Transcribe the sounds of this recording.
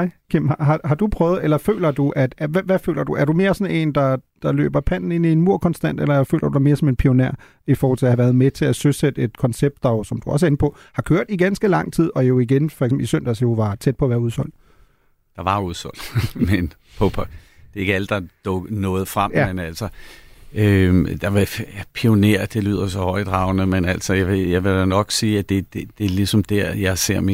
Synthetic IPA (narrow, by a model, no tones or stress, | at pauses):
ɪ̰kʰim̰hhɑ̈ɦɑ̈d̥upʰʁœːʊð̞̩ˠelɐfø̰ːlɐd̥uʔæd̥æʋæʋæfø̰ːlɐd̥uʔæɐɾume̝ːɐsɒ̽ne̝̰ːnd̥ɑ̈d̥ɑ̈lø̰ːb̥ɐpʰæn̰n̩e̝n̰ie̝nmuɐ̰kʰɒ̽nsd̥æn̰d̥elɐæɐfø̰ːlʔɐd̥ud̥ɑme̝ːɐsɒ̽me̝npʰio̝neɐ | ifɔːhɒl̰t͡sʰe̝æhæʋæɐð̞̩ˠmet͡sʰe̝æsøsed̥əe̝d̥kʰɒ̽nseb̥̚d̥ɑ̈josɒ̽md̥uɒ̽s̬enəpʰɒ̽ | hɑ̈kʰøːɐ̰d̥iɡ̥ænsɡ̥əlɑ̈ŋ̰t͡sʰið̰ˠɒ̽jo̝iɡ̥enfɒɐɡʰsemisœn̰d̥æsjo̝ʋɑ̈t͡sʰed̥̚pʰɒ̽ɐʋæːɐuð̞ˠsɒ̽l̰d̥ | d̥ɑ̈ʋɑ̈uð̞ˠsɔl̰d̥men | pʰɔpʰæ | d̥e̝e̝ɡ̥əæləd̥ɑ̈d̥ɔɡ̥ənɔ̽ːð̞̩ˠfʁammenæl̰sɒ | ød̥ɑ̈epʰio̝ne̝ɐ̰d̥e̝ly̰ːð̞̰ˠɐsɒ̽hɒ̽ɪ̰d̥ʁɑ̈ʊ̰nəmenæl̰sɒjaʋejɑɪʋe̝ænɒ̽ɡ̥siːæd̥e̝d̥ed̥e̝ɐlisɒ̽md̥æɐ̰jɑ̈ɪse̝ɐ̰mi